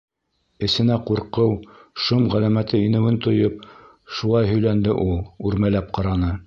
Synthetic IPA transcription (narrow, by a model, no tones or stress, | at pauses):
ɘ̆sɘ̆næquɾqɤwʃomʁælæmæt̪ɘinɘ̆wɘnt̪ŏjop̚ | ʃulˠɑjɦɵ̆jlænd̪ɘʔulˠʉɾmælæp̚qɑɾɑnɤ